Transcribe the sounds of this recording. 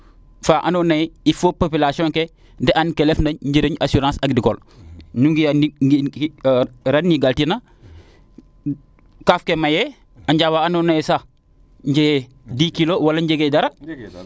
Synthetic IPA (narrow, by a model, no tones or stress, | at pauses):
faʔanonɐjifopopilasiõŋke | dɛʔankelefndɐɲɟiɾeɲasuɾãːsɐɡdikol | nuŋɡianiɡi | ɾanːiɡaltina | kafkemaje | aɲɟawaanonɐjsa | ɲɟeɡe | diːkilowɐlɐɲɟeɡedɐɾɐ